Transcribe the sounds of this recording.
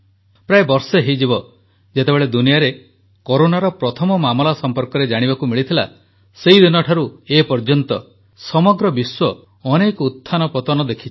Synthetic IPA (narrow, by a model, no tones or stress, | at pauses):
pɾaebɔɾseɦejd͡ʒibɔ | d͡ʒet̪ebeɭed̪unijaɾe | koɾonaɾɔpɾɔt̪ʰɔmɔmamɔlasɔmpɔɾkɔɾed͡ʒaɽ̃iβakumiɭit̪ʰila̰ | sejd̪inɔʈʰaɾuepɔɾd͡ʒɔnt̪ɔ | sɔmɔɡɾɔbiswɔː | nekɔut̪ʰːanɔpɔt̪ɔnɔd̪ekʰit͡ʃʰ